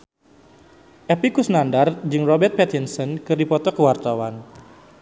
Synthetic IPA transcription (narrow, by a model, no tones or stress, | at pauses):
ʔɛpikusnandard͡ʒɨŋrɔbɛrt̪̚pɛt̪insənkɨrdipɔt̪ɔkəwart̪awan